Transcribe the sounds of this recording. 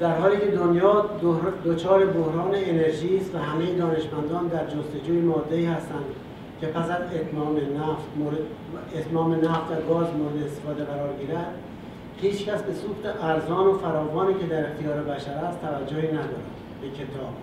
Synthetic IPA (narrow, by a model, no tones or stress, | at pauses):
d̪̥æɾɦɒːliːkʰe̞d̪onjɒːd̪ot͡ʃʰɒːɾe̞bohɾɒːneːne̞ɾʒiːst̪væɦæmejed̪ɒːne̞ʃmænd̪ɒːnd̪æɾd͡ʒost̪e̞d͡ʒuːjemɒːd̪ːe̞iːhæst̪ænd̪ | cʲʰe̞pæsæzet̪mːmenæft̪o | et̪mɒːmenæft̪væɡɒːzmoɾed̪eest̪efɒːd̪e̞ɣæɾɒːɾɡiːɾæd̪̥ | hiːt͡ʃkæsbe̞suːxt̪eʔæɾzɒːnofæɾɒːvɒːniːce̞d̪æɾe̞xt̪ijɒːɾebæʃæɾæst̪ʰːævæd͡ʒːohiːnæd̪ɒ̰ːɾæ̰d̪ | bekʰe̞t̪ʰɒːb̥